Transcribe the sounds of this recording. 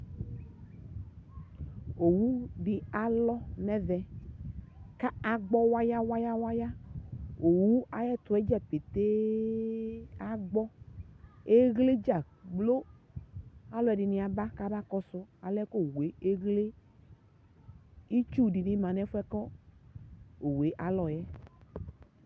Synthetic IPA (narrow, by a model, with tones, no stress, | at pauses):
o˨wu˦ɖi˨a˨lɔ˦nɛ˦vɛ˨ | ka˦a˨ɡ͡bɔ˦wa˦ja˦wa˦ja˦wa˦ja˦ | o˨wu˦a˨jɛ˦t̪ʊ˨ɛ˦d͡ʒɛ˦˨pe˨t̪e˦ | a˦ɡ͡bɔ˦ | e˦ɣle˦d͡ʒa˨ | ɡ͡blo˦ | a˦lɔ˨˦ɛ˨ɖi˨nĩ˨a˨ba˦ka˦ba˦kɔ˦sʊ˦a˨lɛ˦ko˦we˨˦e˦ɣle˦ | i˦t͡ʃu˦ɖi˨nĩ˦mã˨nɛ˦fu˦ɛ˦kɔ˦ | o˨we˨˦ʔa˨lɔ˨jɛ˦